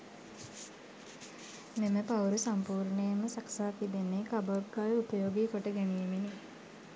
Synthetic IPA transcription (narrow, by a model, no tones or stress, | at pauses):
meməpawɾusampuːɾɳəjəməsaksaːk̪id̪enːekaborɡajəupəjoːɡikoʈəɡenijemene